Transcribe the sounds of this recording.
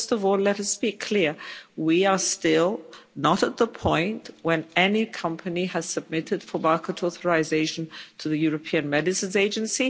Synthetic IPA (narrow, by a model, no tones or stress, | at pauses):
fstʌvɔlɛɾʌspikʰl̥ɪɹwiə˞stɪlˠnəɾət̪̚ðəpʰɔ̃ɪ̃nʔwə̃nɛnikʰʌ̃mpʰɨniɨz̥sɨb̚mɪɾɨd̥fə˞mɑɹkəɾɔθə˞azeɪʃn̩tʰɨðɨjʊɹɨpʰĩɨ̃nmɛdɨsɨ̃nzeɪd͡ʒɨ̃nsi